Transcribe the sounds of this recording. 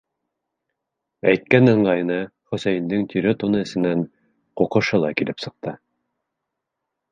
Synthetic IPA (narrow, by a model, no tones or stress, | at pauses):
æjt̪̚kænɤ̆ɴɢɑj̆nɤχɵ̆sæjɘ̆nd̪ɘŋt̪ʰʲyɾɵt̪unɤɘ̆sɘ̆næn | quqɤ̆ʃɤlˠɑkilɘpsɤ̆q̚t̪ɤ